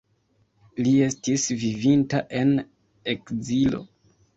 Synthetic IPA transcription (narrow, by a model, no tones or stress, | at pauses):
lie̞stisvivintaʔe̞n | e̞kzilo̞̰